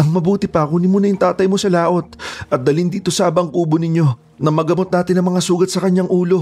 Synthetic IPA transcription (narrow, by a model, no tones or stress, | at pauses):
ɐŋmɐbuːt̪ɪpɐɐkonɪmuːnɐjʊŋt̪aːt̪ɐjmo̞sɐlaːʔo̞t̪̚ʔɐt̪̚d̪ɐlɪnd̪iːt̪o̞saːbɐʔɐŋuːbo̞nɪɲjo̞ | nɐmɐɡɐmo̞t̪naːt̪ɪnɐŋmɐŋasuːɡɐt̪̚sɐkɐɲːaŋʔuːlo̞